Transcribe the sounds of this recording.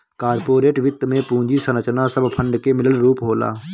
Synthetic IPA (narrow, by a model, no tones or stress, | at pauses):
kaːɾpoːɾeːʈʋɪt̪ːmẽːpũːɲd͡ʒiːsənət͡ʃnaːsəbpʰə̃ɳɖkeːmɪləlɾuːpɦoːla̰ː